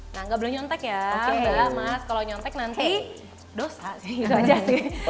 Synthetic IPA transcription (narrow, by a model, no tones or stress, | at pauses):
naŋɡaʔbəlʊmɲɔnt̪ɛkjaɪudalamaskaloɲɔnt̪ɛk̚nant̪i | dosasɪhit̪uad͡ʒasɪ